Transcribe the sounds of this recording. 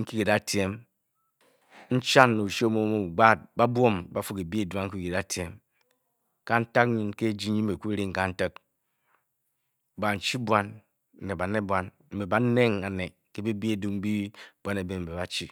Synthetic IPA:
ŋ̩˦ki˦ki˨da˦te˦m | n̩˦t͡ʃa˦nːu˨ʃo˦mo˦m˨u˨ɡ͡ba˦˨t̚ba˦bʷo˦˨mba˦fu˦ki˨bi˦e˦˨du˦a˦ŋ̩˦ki˦ki˨da˦te˦m | ka˦n̩˦ta˦k̚ɲi˦nke˦d͡ʒi˦ɲi˦m̩˦˨be˨ku˦ɾi˦ŋ˨ka˦n̩˦tə˦k̚ | ba˨n̩˨t͡ʃi˦bwa˦n̩˨ | ne˨ba˨ne˦bwa˦n | m̩˨be˨ba˦ne˦ŋa˨ne˨ | ke˦bi˦bi˦e˦du˦ŋ˦bi˦b̥ʷa˦ne˨be˨m̩˨be˨ba˨t͡ʃi˦

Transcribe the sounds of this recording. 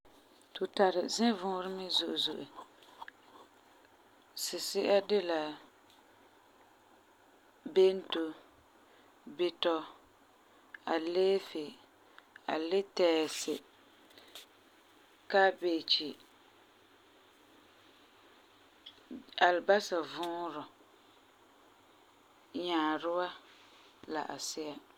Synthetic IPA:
tʊ˨ta˨ɾɪ˨zɪ˦vʊ̃ː˦ɾɪ˦mɪ˦zʊ˨ʔʊ˨zʊ˨ʔʊ˨ | sɪ˨sɪ˦ʔa˦dɪ˦la˨ | be˦n˦to˨ | bɪ˨tɔ˦ | a˨leː˦fɪ˨ | a̰˨lɪ˦tɛː˨sɪ˨ | ka˦be˨t͡ʃi˨ | a˨lba˦sa˨vʊ̃ː˦ɾʊ˨ | ɲaː˨ɾɪ˦wa˦ | la̰˨ʔa˨sɪ˦a˦

